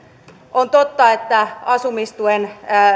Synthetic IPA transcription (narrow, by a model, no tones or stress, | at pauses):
ʔont̪ot̪ːɑet̪ːæɑsumist̪uenː